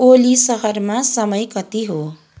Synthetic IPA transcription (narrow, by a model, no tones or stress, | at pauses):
olisʌɦʌrmasʌmʌjkʌt̪iɦo